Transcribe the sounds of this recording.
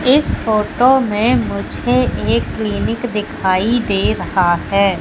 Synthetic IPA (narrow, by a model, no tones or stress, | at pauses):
ɪsfoːʈomẽmʊd͡ʒʱeʔeːkːliːnɪkd̪ɪkʰaːid̪eːɾɐhaɦɛː